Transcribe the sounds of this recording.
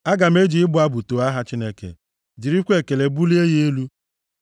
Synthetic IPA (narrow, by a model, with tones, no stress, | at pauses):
a˦ɡa˨m̩˦e˦d͡ʒi˨ɪ˦bʊ˨˦a˦bu˨to˨a˦ɦa˦t͡ʃi˦ne˦kḛ˨ | d͡ʒi˨ɾi˦kʷe˦˨ke˨le˨bu˦li˦e˦je˦lu˦